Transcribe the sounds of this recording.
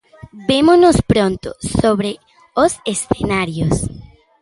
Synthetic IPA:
bemonospɾõnt̪ʊ̰soβɾe | osesθenaɾjos

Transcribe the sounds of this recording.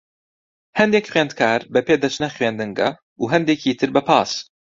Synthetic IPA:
hɛnd̪eːkχwɥeːnd̪kʰaːɾbɛpʰeːd̪ɐt͡ʃnɐχɥeːnd̪ɨŋɡɐ̰ | uːɦɛnd̪eːcʰiːt̪ʰɨɾbɐpʰɑːs

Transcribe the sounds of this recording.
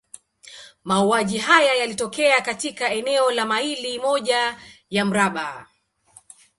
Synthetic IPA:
mauaʄiɦajajalitɔkɛakatikaɛnɛɔlamailimɔʄajam̩ɾaɓa

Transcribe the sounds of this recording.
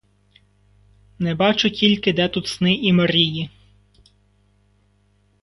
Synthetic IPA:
nɛbɑt͡ʃʊtʲilʲkɪd̪ɛt̪ut̪snɪimɐɾʲiji

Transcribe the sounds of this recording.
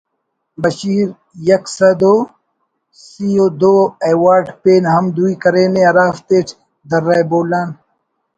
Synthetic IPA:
bɐɕiːɾ | jɐksɐd̪oː | sijoːd̪oːejwaːɾɖpeːnɦɐmd̪uikɐɾeːnẽɐɾaːft̪eːʈʰ | d̪ɐɾːaːjboːlaːn

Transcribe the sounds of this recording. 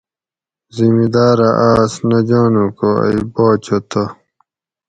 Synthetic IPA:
zimid̪aːɾɐʔaːsnɐd͡ʑaːnukoɐ̰iboːt͡ɕʰot̪o

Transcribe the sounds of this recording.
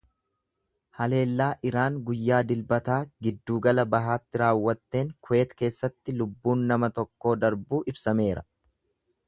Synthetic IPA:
hɐle̞ːlːaːʔɪɾaːŋɡʊjːaːd̪ɪlbɐt̪aːɡɪd̪ːuːɡɐlɐbɐɦaːt̪ːɪɾaːwːɐt̪ːe̞ːŋkʊe̞ːt̪ke̞ːsːɐt̪ːɪlʊbːuːnːɐmɐt̪ɔkːo̞ːd̪ɐɾbuːʔɪbsɐme̞ːɾɐ

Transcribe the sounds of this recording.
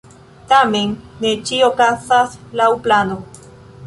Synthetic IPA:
t̪amenːet͡ʃiokasaslawplano

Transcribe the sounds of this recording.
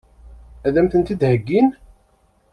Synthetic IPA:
æðæmθənt̪id̪həɡːin

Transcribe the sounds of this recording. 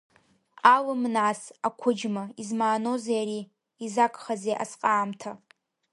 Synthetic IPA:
alɨmnasakʷʰʊd͡ʒmaizmaːnozajaɾiː | zakʼχazeʔa̰sqʼaːmtʰa

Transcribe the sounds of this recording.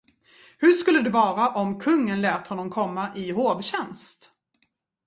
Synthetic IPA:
hɵʂkɵlːəd̪ɛvɑːɾaʔɔmkʰɵŋːənlɛːt̪hɔnːɔmkʰɔmːaʔɪhoːvɕɛnst̪

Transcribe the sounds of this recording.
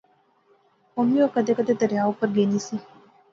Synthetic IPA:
omiokəd̪ekəd̪ed̪əɾjaːopəɾɡeːnisi

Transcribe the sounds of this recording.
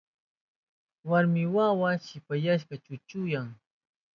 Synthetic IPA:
waɾmɪwawaʃɪpajaʃ̬kat͡ʃʊt͡ʃʊjaŋ

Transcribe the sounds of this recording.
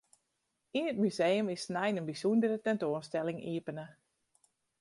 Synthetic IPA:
inət̚mysejəmɪsnɛjnənbisundəɾətɛntoənstɛlɪŋʔḭəpənə

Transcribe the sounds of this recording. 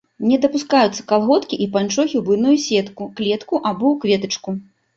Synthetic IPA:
nʲɛd̪ɐpuskajut̪sːɐ̥kalˠɣɔt̪kʲiʔipant͡ʂɔxʲiwbɨnujusʲɛt̪kuklʲɛt̪kuʔabɔwkvʲɛt̪ɨt͡ʂku

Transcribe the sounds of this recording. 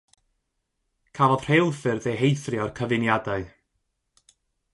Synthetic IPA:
kʰavɔð̥r̥elˠfɨrðejɦejθrɪɔrkʰəvɨnjadaɨ

